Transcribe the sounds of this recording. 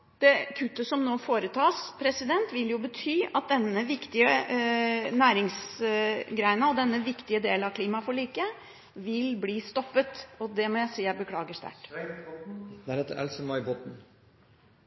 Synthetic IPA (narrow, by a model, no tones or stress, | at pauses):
d̪̥ɛkʰʉt̪ːəsɔmnoːfoːɾət̪ʰɑːspʰɾɛsɪd̪ɛnt̪ʋɪljʊbət̪ʰyːɑt̪̚d̪ɛnːəʋɪkt̪ɪə | næːɾɪŋs | ɡɾæɪnəɔd̪ɛnːəʋɪkt̪ɪəd̪eːləɑkʰliːmɑfɔɭiːkə | ʋɪlbliːst̪ɔpːət̪ɔd̪ɛmɔjæɪsiːjæɪbəkʰlɑːɡəʂt̪æ̰ʈ | d̪æːɾheːt̪əɾɛ̰lsəmɑɪbɔt̪n̩